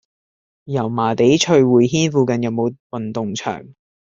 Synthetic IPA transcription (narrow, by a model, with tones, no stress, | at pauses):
jɐ˨˩wmaː˨˩t̪e˨˥jt͡ʃʰɵ˧ɥwuː˨˩jhiː˥nfuː˨˧kɐ˨njɐ˨˧wmo˨˧wwɐ˨nt̪ʊ˨ŋt͡ʃʰœ̰ː˨˩ŋ